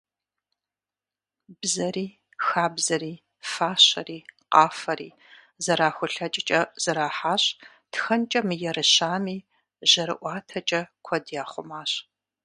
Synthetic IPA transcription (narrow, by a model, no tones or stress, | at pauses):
bzɐriː | xaːbzɐɾiː | faːɕɐriːqɑːfɐrḭː | zɐɾaːxʷʊɬɐt͡ʃʼɪt͡ʃʼɐz̥ɐɾaːħaːɕ | txɐnt͡ʃʼɐmɨjɛɾɨɕaːmiː | ʑɐɾɨ̰ʔʷɑːtʰɐt͡ʃʼɐkʷʰɔdjaːχʷʊ̰maːɕ